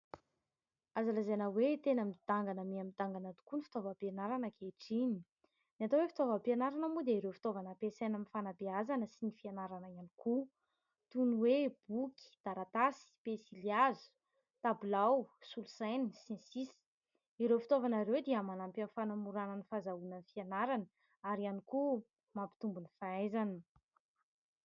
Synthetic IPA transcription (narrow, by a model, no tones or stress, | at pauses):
azalazanawet̪enamid̪̥aŋɡanəmiamid̪aŋɡanat̪u̥kunifi̥t̪ovapenaɾanəkʰeʈ͡ʂini | niat̪owefi̥t̪ovapanaɾanamud̪eiɾewfi̥t̪ovanəpesajnamifanabeazanəsinifianaɾanəianiku | t̪unweb̥ukʲi̥d̪̥aɾat̪asi̥pesiliazu̥ | t̪abulawsulusajnisẽsis | iɾewfit̪ovanaɾewd̪iəmanampanfanamuɾananifazaunanfianaɾanə | aɾianiku | mampi̥t̪umbunifaajzanə